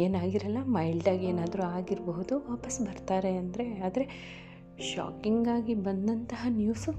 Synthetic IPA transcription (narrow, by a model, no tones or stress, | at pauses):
eːnaːɡiɾɐlːɐmɐjlɖaːɡeːnaːd̪ɐɾuaːɡiɾboɦud̪uʋaːpɐsbɐɾt̪aːɾe̞ɐnd̪ɐɾe̞aːd̪ɐɾe̞ | ʃa̰ːkiŋɡaːɡibɐnd̪ɐnt̪ɐɦɐnjuːsu